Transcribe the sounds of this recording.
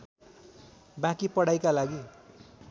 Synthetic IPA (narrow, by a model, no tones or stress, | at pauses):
bãkipʌɽajkalaɡi